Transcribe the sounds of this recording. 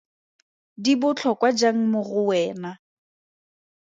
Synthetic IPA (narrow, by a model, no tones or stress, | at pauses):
dibʊt͡ɬʰɔkʼwad͡ʒaŋ̩mʊɣʊwɛːna